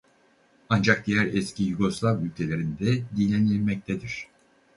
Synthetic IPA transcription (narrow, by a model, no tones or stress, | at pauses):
and͡ʒak̚d̪ijæɾɛscijyɡo̞slˠavylʲcʰelʲe̞ɾind̪ɛd̪inlʲɛnilʲmɛc̚t̪ʰɛd̪iɾ̝̥